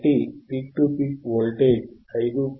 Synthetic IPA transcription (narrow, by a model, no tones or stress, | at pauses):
ʈipik̚ʈupik̚ʋolʈed͡ʒ | ɐjd̪u